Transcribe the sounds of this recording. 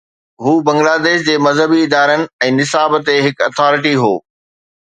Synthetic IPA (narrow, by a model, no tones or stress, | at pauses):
ɦuːbɐ̃ŋɡlaːd̪eːʃd͡ʑeːmɐzɦəbiɪd̪aːɾənɪ̆ɛ̃ːnɪsaːbt̪eɦɪkɐt̪ʰɔːɾɪʈiɦo̰ː